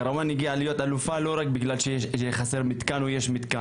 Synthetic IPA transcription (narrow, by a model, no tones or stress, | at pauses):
ɾamaniɡialijo̞t̪alufalo̞ʁakbiɡlalʃeeχase̞ʁmit̪kanujeʃmit̪ka